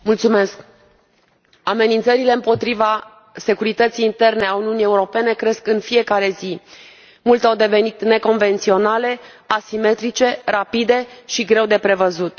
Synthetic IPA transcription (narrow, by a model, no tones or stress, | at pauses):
mult̪sume̞sk | ame̞nint̪səɾile̞ɨmpo̞t̪ɾiva | se̞kuɾit̪ət̪sijːnt̪e̞rne̞auniunije̞uɾo̞pe̞ne̞kɾe̞skɨnfije̞kaɾe̞zi | mult̪awd̪e̞ve̞nit̪ne̞ko̞nve̞nt̪sio̞nale̞asime̞t̪ɾit͡ʃe̞rapid̪e̞ʃiɡɾe̞wd̪e̞pɾe̞vəzut̪